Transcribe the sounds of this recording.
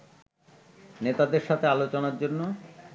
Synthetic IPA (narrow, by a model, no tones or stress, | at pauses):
net̪ad̪eɾʃat̪ʰealot͡ɕonaɾd͡ʑonːo